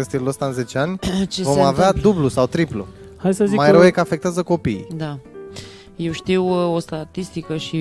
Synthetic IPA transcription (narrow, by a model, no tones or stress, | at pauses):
ɨnst̪iɾləst̪aɨnze̞t͡ʃeanʲt͡ʃevo̞mavead̪ublusawt̪ɾiplṵ | hajdsəzimajeɾəwjekəafek̚t̪eazəko̞piːd̪a | jewʃt̪iwo̞st̪at̪ist̪ikəʃi